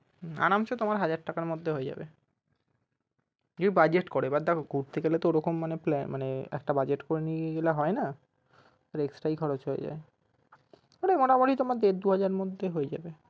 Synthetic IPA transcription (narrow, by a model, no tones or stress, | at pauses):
a̰namt͡ɕʰot̪omaɾɦad͡ʑaɾʈːakaɾmod̪ʱːeɦoed͡ʑa̰bḛ | d͡ʑod̪ibad͡ʑeʈkoɾebaɾd̪ɛkʰoɡuɾt̪ʰekelet̪ooɾɔkomːaneplɛ̰nmaneɛ̰k̚ʈabad͡ʑeʈkoɾenieɡeleɦɔena | t̪aɾeeksʈajkʰɔɾot͡ɕɦoḛd͡ʑa̰e | oɽemɔʈamoʈit̪omaɾd̪eɾd̪uɦad͡ʑaɾmod̪ʱːeɦoed͡ʑa̰be